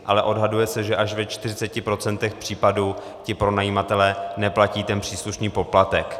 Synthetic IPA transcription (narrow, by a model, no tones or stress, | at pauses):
ʔalɛʔo̞dɦadujɛsɛʒɛʔaʃvɛt͡ʃt̪ɪrɪt͡sɛcɪpɾo̞t͡sɛnt̪ɛxpr̥iːpaduː | cɪpɾo̞najiːmat̪ɛlɛːnɛplaciːt̪ɛnpr̥iːsluʃniːpo̞plat̪ɛk